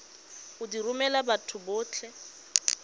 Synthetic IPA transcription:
ʊdirʊmɛlabatʰʊbʊːt͡ɬʰɛ

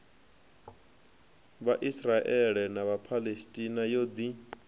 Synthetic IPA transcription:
βaʔisraʔɛɺɛnaβapʰalestʼinajod̪i

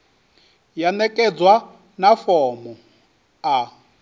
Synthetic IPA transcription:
janɛkʼɛd͡zwa | nafɔːmɔ | a

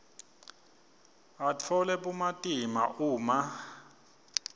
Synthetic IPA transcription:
at͡fʰɔlɛɓumatʼima̰ʔuːma

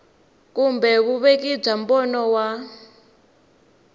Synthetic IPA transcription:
kumbɛkuβek̬ib͡ʐambɔnɔwa

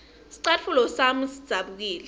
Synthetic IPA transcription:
si̥ǀatfulɔsamusid̥z̥ʱaɓuk̬iːlɛ

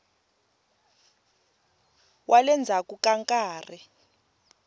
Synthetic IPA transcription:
wʔalɛnd͡zʱakukaŋkʼaːri

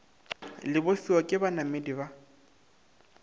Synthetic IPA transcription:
lɪbosiwakʼɪbanamediba

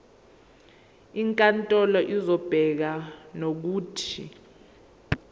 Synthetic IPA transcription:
iŋkʼantʼɔlɔʔizɔb̥ʱɛk̬anok̬uːtʰḭ

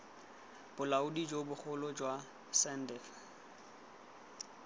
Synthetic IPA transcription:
b̥ʊlaʊdid͡ʒobʊχʊlɔd͡ʒwa | sɛndɛf

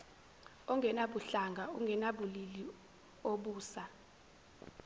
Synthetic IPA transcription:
ɔŋɡʱɛnaɓuɬaŋɡʱauŋɡʱɛnaɓulili | oɓuːsa

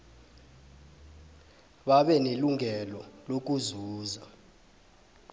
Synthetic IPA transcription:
ɓaɓɛneluŋʱɛlɔlok̬uzuːza

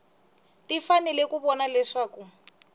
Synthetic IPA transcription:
tifanɛlɛkuβɔnalɛʂaːku

